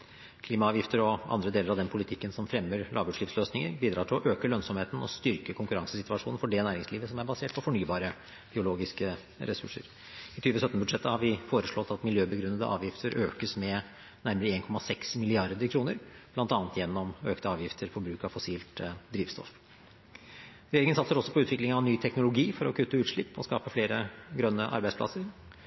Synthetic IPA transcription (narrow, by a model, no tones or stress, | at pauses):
kʰliːmɑɑːʋjɪft̪əɾɔɑ̰nd̪ɾəd̪eːləɾɑʋd̪ɛnpʰʊlɪt̪ʰɪkːənsɔmfɾɛmːəɾlʔɑ̰ːʋbʉːlɪːfsløːsnɪŋə̰ɾbiːd̪ɾɑːʈʰɪlɔʔøːkəlœnsɔmheːt̪n̩ɔ̰st̪ʏɾkəkʰʊŋkʉɾɑŋsəsɪt̪ʉɑʂuːnn̩fɔɖɛnæːɾɪŋsliːʋəsɔmæɾbɑseːʈ̚pʰɔfɔɳyːbɑːɾə | b̥ɪʊloːɡɪskə | ɾɛsʉ̰ʂə̰ɾ | ɪt̪ʰyːʋəsœt̪nəbʉd̪ʂɛt̪ːəhɑɾʋɪfoːɾəʂɭɔt̪ːɑt̪mɪljøːbəɡɾʉnːəd̪ə̰ʔɑ̰ːʋjɪft̪ʰəɾʔøːkəsmɛ | næɾməɾəeːnkʰɔmɑsɛksmɪlɪɑɾd̪əkʰɾuːnəɾb̥̪ɑnt̪ɑːnət̪jɛnːɔmøːkt̪əɑːʋjɪft̪ʰəɾfɔbɾʉːkɑʋfɔsiːlt̪d̪ɾiːʋst̪ʰɔ̰f | ɾɛjeːɾɪŋənsɑt̪səɾɔsːɔpʰɔʉːt̪ʋɪklɪŋɑʋnyːt̪ʰɛknʊlʊɡiːfɔɾɔkʰʉt̪ːəʉːt̪ʂɭɪpːɔ̰skɑ̰ːpəfleːɾəɡɾœnːəʔɑ̰ɾbæɪspʰlɑ̰səɾ